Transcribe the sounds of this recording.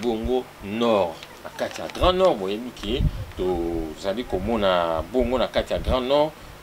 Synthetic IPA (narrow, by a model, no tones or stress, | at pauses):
boŋɡo | nɔʁnakatija̰ɡʁãnɔʁbojebiketozalikomɔnaboŋɡonakatijaɡʁãnɔʁ